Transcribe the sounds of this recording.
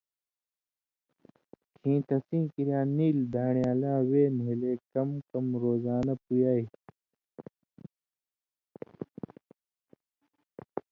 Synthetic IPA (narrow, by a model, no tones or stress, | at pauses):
kʰĩːt̪ɐsĩːkiɾjaːniːld̪ʱaːɳjaːlãːweːnuileːkɐmkɐmɾoːzaːnɐpujaːi